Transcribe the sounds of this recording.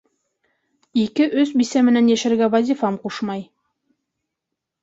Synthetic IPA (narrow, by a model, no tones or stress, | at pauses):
ikɘʔɵzbisæmɘ̆nænjæʃɘ̆ɾɡævazʲifɑmquʃmɑj